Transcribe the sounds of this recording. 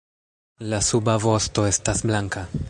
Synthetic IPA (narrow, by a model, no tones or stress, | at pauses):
lasubavo̞sto̞e̞stasblaŋka